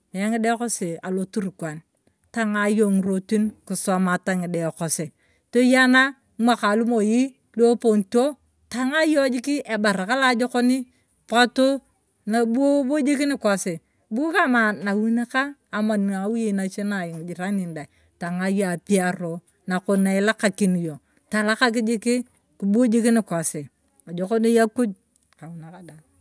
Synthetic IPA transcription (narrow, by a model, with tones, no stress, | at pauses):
a˨ja˦ŋi˦de˦ko˦se˨a˨lo˨tu˦ɾkwa˨n | ta˦ŋa˨jo˨ŋ˨ɾo˦ti˦nku˨sa˨ma˨ta˦ŋi˨de˨ko˨se˨ | to˦ja˦na˦ | mʷa˦ka˨lu˦mo˨ji˦ | lo˦po˨nto˦ | ta˨˦ŋa˦jo˦d͡ʒi˦ki˦ʔe˨ba˨ɾa˨ka˦la˦d͡ʒo˦ko˦ni˦ | pa˦to˦ | na˨bu˦o˦bo˦d͡ʒi˦ki˦ni˦kʷa˨se˨ | bu˦o˦ka˦ma˨na˨wi˦na˦kaː˦˨ma˨n˨a˨˦wu˦je˨na˨t͡ʃe˦na˨ji˨ŋ˨d͡ʒi˨ɾa˦ni˨nda˨i˨ | ta˨ŋa˦ja˨pi˦a˦ɾo˨ | na˨ko˨na˨la˦ka˨ki˨ni˨jo˨ | ta˨la˦ka˦k̬i˦d͡ʒi˦ki˦ | ku˨bu˦o˦d͡ʒi˦ki˦ni˨kʷa˨se˨ | a˨d͡ʒo˨ko˦ni˦ja˦ku˦d͡ʒ̚ | ka˨wu˨na˨ka˦da˨